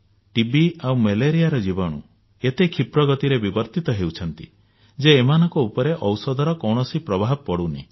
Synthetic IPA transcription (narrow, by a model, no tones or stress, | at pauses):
ʈibiawmeleɾijaɾɔd͡ʒibɔɽ̃ṵ | et̪ekʰipɾɔɡɔt̪iɾebibɔɾt̪it̪ɔɦewt͡ʃʰɔnt̪i | d͡ʒeːmanɔŋkɔupɔɾeʔɔwsɔd̪ʱɔɾɔkɔwɳɔsipɾɔbʱaɦbɔpɔɽunḭ